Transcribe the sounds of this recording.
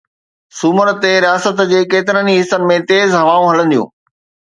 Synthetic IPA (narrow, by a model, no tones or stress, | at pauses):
sʊməɾt̪eɾijaːsət̪d͡ʑeːkeːt̪ɪɾəniɦɪsːənɪ̆mẽt̪eːzɦɐʋaːũɦɐlə̃nd̪ijṵ̃ː